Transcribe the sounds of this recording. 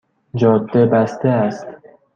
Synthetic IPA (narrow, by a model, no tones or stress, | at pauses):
d͡ʒɒːd̪ːebæst̪eæst̪